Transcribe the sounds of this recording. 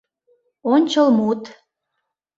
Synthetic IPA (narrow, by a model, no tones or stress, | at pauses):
onʲt͡ɕəlmut̪